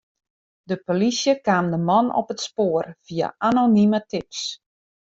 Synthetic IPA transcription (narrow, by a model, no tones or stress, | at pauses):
dəpolisjəkaːmdəmɔnɔ̰pətspoərfia̰ʔanonimətips